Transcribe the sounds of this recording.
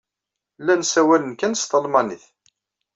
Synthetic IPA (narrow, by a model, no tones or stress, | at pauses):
lːænsæwælənkænst̪əlmɑniθ